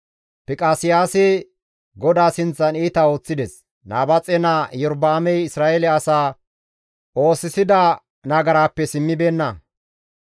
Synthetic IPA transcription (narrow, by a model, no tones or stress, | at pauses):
pɪkʼaːsɪjaːsɛ | ɡɔd̪aːsɪnt͡sːɐniːt̪ao̞ːt͡sːɪd̪ɛs | naːbɐt͡sʼɛnajɔɾbaːmɛjɪsɾaːɛlɛɐsaː | ʔo̞ːsɪsɪd̪ɐ | nɐɡɐɾaːpːɛsɪmːɪbeːnːɐ